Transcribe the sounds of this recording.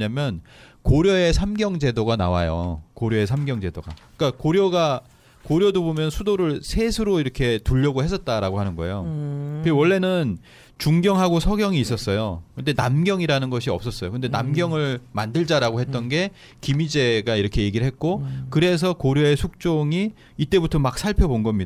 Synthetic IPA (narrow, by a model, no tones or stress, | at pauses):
ɲamjʌnkoɾjʌe̞sʰamɡjʌŋd͡ʑe̞doɡana̰wajo̰koɾjʌe̞sʰamɡjʌŋd͡ʑe̞doɡa̰ | k͈akoɾjʌɡa | koɾjʌdobomjʌnsʰudoɾɯɭsʰe̞sʰɯɾoiɾʌkʰe̞tuʎːʌɡohe̞s͈ʰʌt̚t͈aɾaɡoɦanɯnɡʌḛjo | wʌɭːe̞nɯn | t͡ɕuŋɡjʌŋɦaɡosʰʌɡjʌŋiːs͈ʌs͈ʌjokɯnde̞namɡjʌŋiɾanɯnɡʌɕʰiʌps͈ʌs͈ʌjokɯnde̞namɡjʌŋɯɭmandɯɭd͡ʑaɾaɡohe̞t̚t͈ʌnɡe̞ | kimid͡ʑe̞ɡaiɾʌkʰe̞je̞ɡiɭɦe̞t̚k͈okɯɾe̞s̬ʰʌkoɾjoe̞sʰuk̚t͡ɕ͈oŋi | it͈e̞butʰʌmak̚sʰaɭpʰjʌbonɡʌmɲida